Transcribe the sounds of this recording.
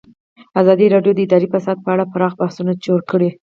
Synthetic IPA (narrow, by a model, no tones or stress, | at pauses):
azɑd̪iɾɑɖjod̪əɪd̪ɑɾifasɑd̪̚pəaɽapaɾɑxbahsunad͡ʒoɽkəɽe